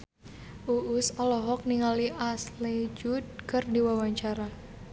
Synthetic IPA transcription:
ʔuʔusɔlɔɦɔk̚niŋaliʔasled͡ʒud̪̚kɨrdiwawaɲt͡ʃaɾa

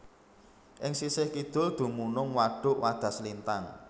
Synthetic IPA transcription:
ʔɪŋsisɪhkid̪̥ʊ̤ld̪̥ṳmunʊŋwaɖ̥ʊ̤ʔwad̪̥a̤slint̪an

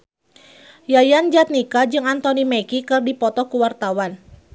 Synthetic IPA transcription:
jajand͡ʒat̪̚nikad͡ʒɨŋant̪ɔnimɛkikɨrdipɔt̪ɔkuwart̪awan

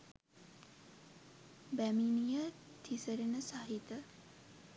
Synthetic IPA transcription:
bæminijət̪ʰisəɾenəsaɦit̪ə

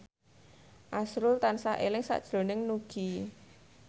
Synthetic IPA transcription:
ʔasɾʊlt̪ansaʔelɪŋsa̰ʔd̥ʒ̥ɾo̤nɪŋnuɡ̥i

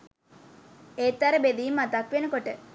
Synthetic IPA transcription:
eːt̪ːæɾəbed̪iːmːat̪akʋenəkoʈə

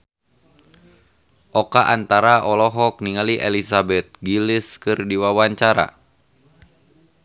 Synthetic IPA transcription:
ʔɔkaʔant̪aɾaʔɔlɔɦɔk̚niŋaliʔelisabɛt̪̚ɡilɪskɨrdiwawaɲt͡ʃaɾa̰

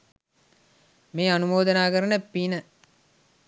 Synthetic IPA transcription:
meːɐnumoːd̪ɐnaːɡɐɾɐnɐpːinɐ

